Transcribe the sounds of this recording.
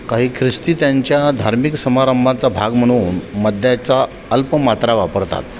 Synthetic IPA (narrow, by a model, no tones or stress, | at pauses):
kaɦiːkʰɾist̪iːt̪jaɲt͡ɕjad̪ʱaɾmiksəmaɾəmbʱãt͡sabʱaɡm̤əɽ̃uːnməd̪ʱjat͡sa | əlpəmat̪ɾaʋapəɾt̪a̰t̪